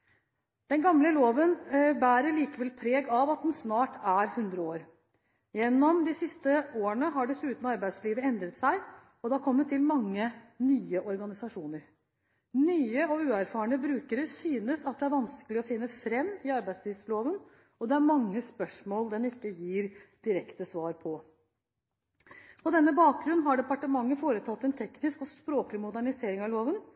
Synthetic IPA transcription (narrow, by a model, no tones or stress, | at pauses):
d̪̥ɛnɡɑmləloːʋənbæːɾəɭiːkəʋɛlpʰɾeːɡɑʋɑt̪̚d̪ɛnsnɑːʈæɾhʉnd̪ɾəoːɾ | jɛnːɔmd̪ɪsɪst̪əoːəɳəɦɑɖɛsʉːt̪nɔɑɾbæɪd̪sliːʋəɛnd̪ɾət̪sæɪ | ɔd̪ɛɑkʰɔmːəʈt̪ʰɪlmɑŋːənyːəʔɔɾɡɑnɪsɑʂuːnəɾ | nyːəɔʉːæɾfɑːəɳəbɾʉːkəɾəsyːnəsɑt̪̚d̪ɛæɾʋɑnskəlɪɔfɪnːəfɾɛmːɪɑɾbæɪd̪st̪ʰiːʋsloːʋən | ɔd̪ɛæɾmɑŋːəspœʂmoːld̪ɛnɪkːəjiːɾd̪̥ɪɾɛkt̪əsʋɑːɾpʰɔ | pʰɔd̪ɛnːəbɑːk̚ɡɾʉnːɦɑɖɛpɑʈəmɑŋːəfoːɾət̪ʰɑt̪ːɛnt̪ʰɛknɪskɔspɾoːklɪmʊd̪æɳɪseːɾɪŋɑʋloːʋən